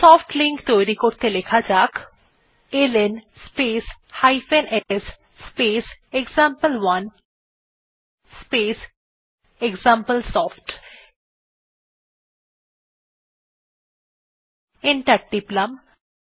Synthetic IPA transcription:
sɔːfʈliŋkt̪oɾikoɾt̪elekʰad͡ʒaːk | elenspeːshajfenees | speːseɡzãmpəlʋɐn | speːs | eɡzãmpəlsɔːfʈ | eɳʈɐɾ̚ɖiplɐm

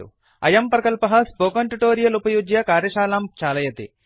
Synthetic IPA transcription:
ṵ | ɐ̰jɐmpɾɐkɐlpɐɦɐspoːkɐɳʈuʈoːɾijɐlupɐjuːɡjɐkaːɾjɐʃaːlaːmt͡ʃaːlɐjɐt̪ḭ

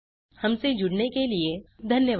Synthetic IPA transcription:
hɐmsed͡ʒʊɽnekelied̪ʱɐnjəʋ

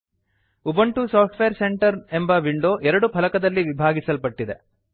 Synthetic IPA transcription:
ubɐɳʈusaːp̚ʈʋeɐɾse̞ɳʈɐɾembɐʋiɳɖoːʔɛɾɐɽupʰɐlɐkɐd̪ɐlːiʋibʱaːɡisɐlpɐʈːid̪e̞̰

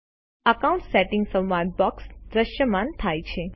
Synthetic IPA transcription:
əkaũɳʈseʈɪŋɡsə̃mʋanbɔksd̪ɾəʃjəmãnt̪ʰajt͡ʃʰe

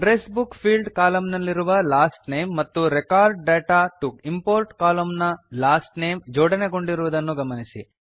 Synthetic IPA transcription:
ɾeːsbukpʰiːlɖkaːlɐmnɐlːiɾuʋɐlaːsʈnejmːɐt̪ːuɾekaːɾɖ̚ːeːʈaʈukimpoːɾʈkaːlɐmnɐlaːsʈnejmd͡ʒoːɽɐneko̞ɳɖiɾuʋud̪ɐnːuɡɐmɐnisḭ

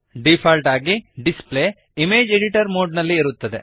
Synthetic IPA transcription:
ɖipʰaːlʈaːɡiɖispleː | imeːd͡ʒeɖiʈɐɾmoːɖnɐlːiːɾut̪ːɐd̪ḛ

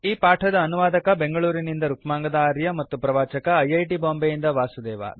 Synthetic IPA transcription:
iːpaːʈʰɐd̪ɐːnuʋaːd̪ɐkɐbe̞ŋɡɐɭuːɾinind̪ɐɾukmaːŋɡɐd̪aːɾjɐmɐt̪ːupɾɐʋaːt͡ʃɐkɐːjɐjʈiboːmbejind̪ɐʋaːsud̪ɛːʋa̰

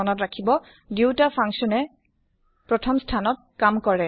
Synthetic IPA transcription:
ɔnɔtɹakʰibɔ | diwtapʰaŋsɔnɛ | pɹɔtʰɔmstʰanɔt̚kamkɔɹɛ

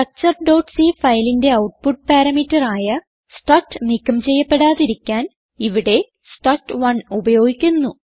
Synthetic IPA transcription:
kɐk̚t͡ɕɐrɖo̞ːʈsifɐjlinde̞ɐwʈ̚puʈ̚paːɾɐmitːɐraːjɐ | sʈɐrʈːɨnikːɐmt͡ɕe̞jːɐpːe̞ɽaːðiɾikʲːaːn | iʋiɽe̞ | sʈɐrʈʋɐɳubɐjo̞ːɡikʲːunːu

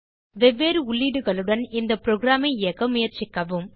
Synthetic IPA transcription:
ʋɛʋːeːɾɯʊɭːiːɽɯɣɐɭɯɽɐnɪnd̪ɐpɾoːɡɪɾaːmɐɪɪjɐkːɐmʊjɐɾt͡ʃɪkːɐʋɯm

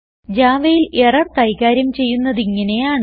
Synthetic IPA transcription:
d͡ʑaːʋɐjilʔerɐrt̪ɐjɣaːɾjɐmt͡ɕe̞jːunːɐðiŋːɐne̞jaːɳ

